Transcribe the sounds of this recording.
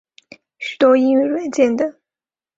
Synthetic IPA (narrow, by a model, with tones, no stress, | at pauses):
ɕy˨˩t̪wɔ˥i˥ŋɥy˥˩ɻwə˨˧˥nt͡ɕjɛ˥˩nd̪ə˩